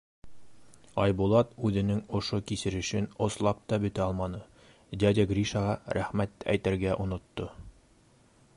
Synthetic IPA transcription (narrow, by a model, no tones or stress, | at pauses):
ɑjbulˠɑt̪ʉðɘ̆nɘŋŏʃokisɘ̆ɾɘ̆ʃɘnŏslˠɑp̚t̪ɑbɵ̆t̪æɑlˠmɑnɤ | d̪ʲɑd̪ʲaɡrʲiʃɑʁɑɾæχmæt̪ːæ̰jt̪æɾɡæʔŏnŏt̪ːo